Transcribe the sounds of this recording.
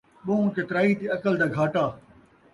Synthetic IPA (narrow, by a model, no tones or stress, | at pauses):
ɓõːket̪ɾaːit̪iɐkəld̪aːɡʱaːʈaː